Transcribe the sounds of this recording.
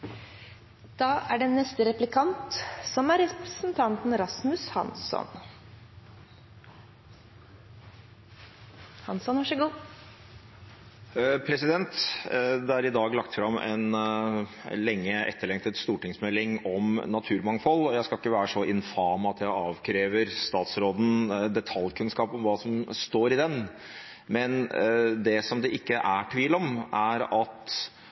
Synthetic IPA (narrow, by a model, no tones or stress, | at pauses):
d̪̥ɑːʔæɖɛnːɛst̪əɾɛplɪkʰɑnt̪sɔmæɾɛpɾɛsn̩t̪ʰɑnt̪n̩ɾɑsmʉshɑ̰nsɔ̰n | hɑnsɔnʋɑʂəɡuː | pʰɾɛsɪd̪ɛnt̪d̪ɛæɾɪd̪ɑːɡlɑkt̪fɾɑmɛ̰n | lɛŋːəʔɛ̰t̪ːəɭɛŋt̪ɛt̪st̪uːʈɪŋsmɛlːɪŋɔmnɑt̪ʰʉːɾmɑŋfɔlɔjæɪskɑɪkːəʋæːɾəʂɔɪnfɑːmɑt̪jæɪɑːʋkʰɾeːʋəɾst̪ɑːt̪sɾoːd̪n̩d̪ɛt̪ʰɑljkʰʉnskɑːpɔmʋɑːsɔmst̪oːɾɪd̪ɛn | mɛnd̪ɛsɔmd̪ɛʔɪkːəʔæʈʰʋiːlɔmʔæɾɑt̪